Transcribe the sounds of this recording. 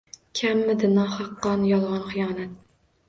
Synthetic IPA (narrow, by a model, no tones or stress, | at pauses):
kʲʰamːɪd̪ɪnɒχɑqːɒnjɒlˠʁɑnχɨjɒːnat̪̚